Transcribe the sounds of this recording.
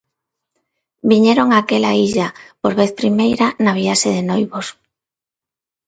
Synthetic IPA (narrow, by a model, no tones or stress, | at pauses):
biɲeɾoŋakelaiʎapoɾβeθpɾimejɾanaβ̞iaʃeðenojβos